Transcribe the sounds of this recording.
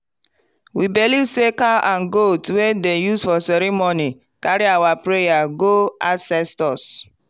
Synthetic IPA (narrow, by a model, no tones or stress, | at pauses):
wibelivsekalʔãnɡotwedejusfɔsɛɾimoni | kaɾiawapɾejaɡoasɛstɔs